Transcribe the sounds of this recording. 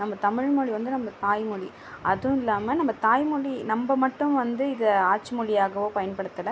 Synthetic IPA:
nɐmbɐt̪ɐmɪɻmɔɻiʋɐnd̪ɯnɐmbɐt̪aːjmʊɭi | ʔɐðɯ̃ɪlːaːmɐnɐmbɐt̪aːjmʊɻinɐmbɐmɐʈːɯ̃mʋɐnd̪ɯɪðɐaːt͡ʃːɯmʊɻɪjaːɣɐʋoːpɐjɐnpɐɽɯt̪ːɐlɐ

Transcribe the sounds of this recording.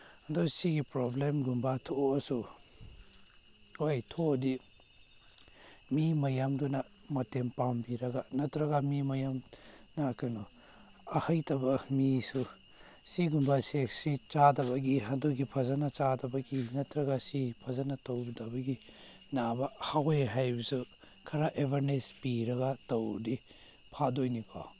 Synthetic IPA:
adusiɡipɾoblemɡumbatʰosu | hojtʰodi | mimɐjamdunɐ | mɐtempambiɾɐɡanɐtɾɐɡamimɐjamnɐkanu | ahɐjtɐbɐmisu | siɡumbasesit͡ʃadɐbɐɡiɦadoɡipʰɐzanat͡ʃadɐbɐɡinɐtɾɐɡasipʰɐzanatɐwdɐbɐɡi | nabɐhaɡojɦajbɐsu | kʰɐɾaʔebʱaɾnespiɾɐɡatɐwdi | pʰadojnikʰɔ̰

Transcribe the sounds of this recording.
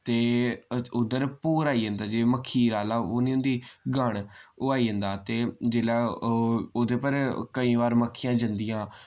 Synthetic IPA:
t̪eːʊd̪əɾpoːɾaːiːɦə̃nd̪aːd͡ʒeːməkʰːiːɾaːlaːonĩːʊ̃nd̪iːɡəɳʊaːiːə̃nd̪aːt̪eːd͡ʒeːlaː | od̪eːpəɾkəĩːʋaːɾməkʰːijãːd͡ʒənd̪ɪjãː

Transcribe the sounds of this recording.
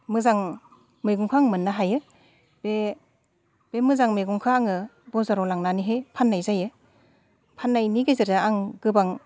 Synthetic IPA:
mɯzaŋ | mɯjɡuŋkʰaaŋmɯnːaɦajɯ | be | b̥emɯzaŋmeɡuŋkʰaːŋɯ | bɔzaɾɔlaŋnaniɦejpʰanːajzajɯ | pʰanːajniɡezɯɾaaŋɡɯbaŋ

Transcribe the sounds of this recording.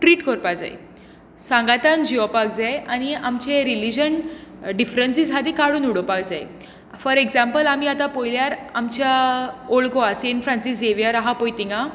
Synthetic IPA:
ʈɾiːʈkəɾpad͡za̰j̰ | sãŋɡat̪and͡ʑiɔpak̚d͡zajaɽ̃iamt͡ɕeɾilid͡ʑənɖifɾənsisɦad̪ikaɽuːnuɽɔpakd͡zaj | fəɾeɡzampəlamiːat̪apojljaɾamt͡ɕaoɭɡoaseinfɾãnsiseʋjaɾaɦapojt̪iŋɡã

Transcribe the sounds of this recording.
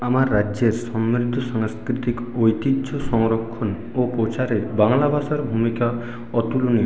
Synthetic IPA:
amaɾːaeɾsɔmːiɾid̪ʱɔsaŋskɾit̪ik | ojt̪idʃɔsɔŋɾɔkʰːɔn | opɾot͡ʃaɾebaŋlabʱasaɾbʱumika | ɔt̪uluni

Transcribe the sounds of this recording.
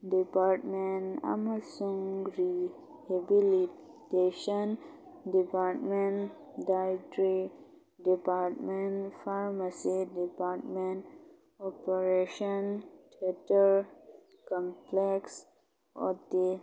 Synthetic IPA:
ɖipaɾʈmẽnʈa̰masũŋɾi | hebili | teʃən | ɖipaɾʈmẽɳ | ɖajʈɾi | ɖipaɾʈmẽɳfaɾmasidipaɾʈmẽɳʈ | ɔpəɾeʃənʈʰeʈəɾ | kɔ̃mpleks | ɔ̰t̪i

